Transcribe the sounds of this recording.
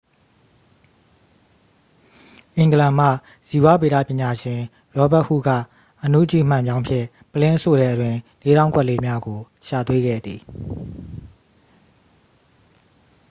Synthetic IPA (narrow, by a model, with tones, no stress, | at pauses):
ʔɪ̃˨ŋɡəlã˨m̥ä̰˦˨ | z̥i˨wa˦˨be˨ɾä̰˦˨pjɪ̃˨ɲa˨ʃɪ̃˨ | ɹɔ˦ba˦ʔhṵ˦˨ɡa̰˦˨ | ʔənṵ˦ʔt͡ɕḭ˦˨m̥ã˨mbjã˦ʊ̃mpʰjɪ̰̃˦˨ | pəlɪ̃˦ʔəso˨ɾɛ˨ʔətwɪ̃˨le˦ɾã˦ʊ̃ŋkwɛ˦ʔle˦mja˦ɡo˨ | ʃa̰˨t̪we˦ɡɛ̰˦˨d̪ði˨